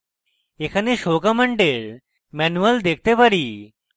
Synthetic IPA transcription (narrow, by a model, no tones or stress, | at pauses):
ekʰaneɕokaməɳɖeɭ | mɛnuʋəld̪ek̚ʰt̪epaɾiː